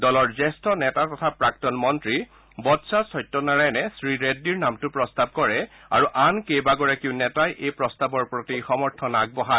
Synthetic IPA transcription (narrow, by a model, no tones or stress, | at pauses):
dɔlɔɹzɛstʰɔnɛtatɔtʰapɹak̚tɔnmɔntɹi | bɔtsasɔjtːɔnaɹajnɛsɹiɹedːiɹnamtʊpɹɔstab̚kɔɹɛ | a̰ɹuʔankejbaɡɔɹakiʊnɛtajʔejpɹɔstabɔɹpɹotixɔmɔɹtʰɔnaɡ̚bɔɦa